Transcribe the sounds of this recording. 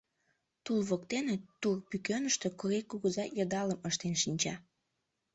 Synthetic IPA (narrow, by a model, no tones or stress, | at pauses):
t̪ulβokt̪enet̪urpykønəʃt̪ø̽kuɾekuɣəzɑjəd̪ɑləməʃt̪enʃinʲt͡ɕɑ